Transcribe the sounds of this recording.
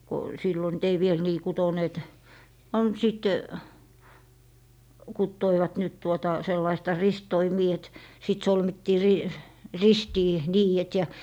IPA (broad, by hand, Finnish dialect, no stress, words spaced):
ko silːo nyt ei ʋiel niː kutoneːt on siˑt kutːoiʋɑt nyt tuotɑ selːɑistɑ ristoimiː et sit solmitːiː ri ristiː niːjet jɑ